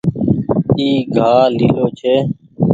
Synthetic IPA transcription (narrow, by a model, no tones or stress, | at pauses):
iːɡʱaːliːloːt͡ʃʰeː